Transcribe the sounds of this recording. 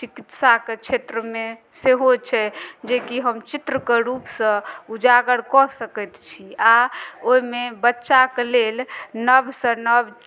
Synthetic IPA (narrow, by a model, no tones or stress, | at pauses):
t͡ʃikit̪saket͡ʃʰet̪ɾəmeseɦot͡ʃʰɛd͡ʒekiɦəmt͡ʃit̪ɾəkeɾupsə̃ud͡ʒaɡəɽkɔɦsəkɛjt̪t͡ʃʰiaoimebətːʃakelelnəbsə̃nəb